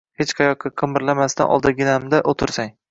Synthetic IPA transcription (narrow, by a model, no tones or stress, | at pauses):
het͡ʃqʰɑjɒq̚ːʲaqʰɨmɪɾlamast̪a̰nʔɒ̰lˠd̪aɡʲɪnamd̪aʔot̪ʰɪɾsaŋ